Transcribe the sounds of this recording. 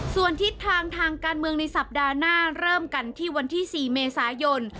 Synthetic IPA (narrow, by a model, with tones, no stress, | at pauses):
su˨˩ənt̪ʰi˦˥t̪ʰːaː˧ŋt̪ʰaː˧ŋkaː˧nmɯ˧əŋna˧jsa˨˩p̚daː˧naː˥˩ɾɤː˥˩mka˧nt̪ʰiː˥˩wa˧nt̪ʰiː˥˩siː˨˩meː˧saː˩˦jo˧n